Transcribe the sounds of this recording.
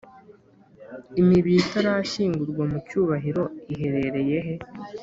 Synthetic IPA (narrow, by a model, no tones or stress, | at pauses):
imiβiːtaɾaʃiːŋɡuɾɡwamucuːβaɦiɾo̞iɦe̞ɾe̞ɾe̞je̞ɦe̞